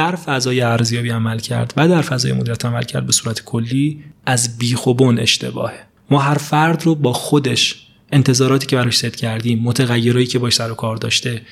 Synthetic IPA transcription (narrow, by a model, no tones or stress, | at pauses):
d̪æɾfæzɒːjeæɾzijɒːbiːæmælcʰæ̰ɾd̪̥væd̪æɾfæzɒːjemod̪iɾæt̪ʰæmæ̰lcʰæ̰ɾd̪be̞suːɾæt̪ʰe̥kʰolːiːæzbiːxobone̞̰ʃt̪ʰe̞bɒ̰ːhe | mɒːɦæɾfæɾd̪robɒːxod̪e̞ʃ | e̞nt̪ʰe̞zɒːɾɒːt̪ʰiːcʰe̞bæɾɒːʃse̞d̪̥cʰæɾd̪iːmːot̪ʰeɣæjːe̞ɾɒːjiːcʰe̞bɒːʃsæɾokʰɒːɾd̪ɒːʃt̪e̞